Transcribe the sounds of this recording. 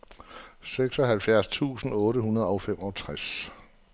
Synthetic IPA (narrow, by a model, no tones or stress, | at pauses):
seɡ̥sɒ̽ɦælfjæɐ̰st͡sʰṵːsn̩ɔ̽ːɾəɦunɐð̞ˠɒ̽fem̰ɒ̽t͡sʰʁas